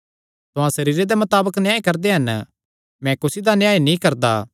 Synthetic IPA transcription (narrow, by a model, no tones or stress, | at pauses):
t̪ʊɦãsɐɾiːɾed̪emɐt̪aːbəknɪjãːikɐɾd̪eɦɐn | mɛ̃kʊsid̪anjãːinĩkɐɾd̪aː